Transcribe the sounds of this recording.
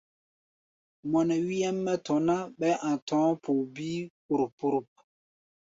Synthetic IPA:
mɔ˨nɛ˨wi˦jɛ˦mːɛ˦tɔ˨na˦ɓɛ˦ʔã˨tɔ̃ː˨˦pʰu˨biː˦ku˨ɾu˨pːu˦ɾu˦p̚

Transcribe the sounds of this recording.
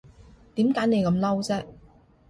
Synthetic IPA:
t̪iː˨˥mkaː˨˥jne˨˧jkɐ˨˧mlɐ˥wt͡sɛː˥

